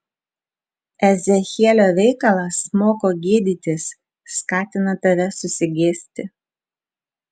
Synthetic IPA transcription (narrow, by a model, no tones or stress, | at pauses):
ɛzʲɛxʲiɛlʲoːʋʲɛɪkɐlˠɐsmoːkoːɡʲiɛd̪ʲiːt̪ʲɪsː | kɑːt̪ʲɪnɐt̪ɐʋʲɛsʊsʲɪɡʲeːsʲt̪ʲɪ